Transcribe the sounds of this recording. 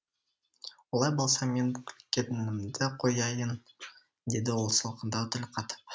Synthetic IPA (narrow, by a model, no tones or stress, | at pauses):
wolˠɑjbolˠsɑme̞nbk̪ʲkʲʰet̪ɪnɪmd̪ɪqʰo̞jɑjən | d̪e̞d̪ɪwo̞lˠsəlˠqənd̪ɑwt̪ʰɪlqʰɑt̪ə̥p